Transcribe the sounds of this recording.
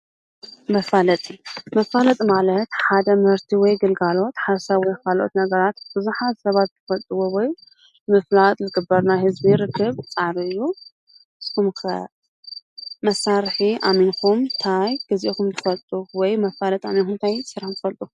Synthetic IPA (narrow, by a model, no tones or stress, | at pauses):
mɐfalɐt̪ʼimɐfalɐt̪ʼmalɐt̪ħad̪ɐmɨhɨɾt̪ʰiwɔjɡɨlɡalo̞t̪ħaɾsɐβwɔjkʰalʔot̪nɐɡɐɾat̪b̥ɨzuħazsɐβat̪zɨfɐlt̪ʼɨwowɔj | mɨflat̪ʼlɨɡɨbːɐɾnajhɨzbiɾɨkʰːɨβt͡sʼaʕβiɨjːu | ʔɨskumkʰɐ | mɐsːaɾħiʔa̰minkumt̪ʰajɡ̥ɨziʔikumt̪ɨfɐlt̪ʼuwɔjmɐfalɐt̪ʼaminxunt̪ʰajsɨɾaħnzɨfɐlt̪ʼu